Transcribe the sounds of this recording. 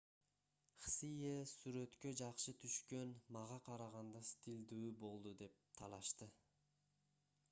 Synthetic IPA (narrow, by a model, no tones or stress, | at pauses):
χsijesyɾe̞t̪kø̞d͡ʒɑqʃɯt̪ʰyʃkø̞nmɑʁɑqʰɑɾɑʁɑnd̪ɑst̪ʲild̪yybo̞lˠd̪ud̪e̞p̚t̪ʰɑlˠɑʃt̪ɯ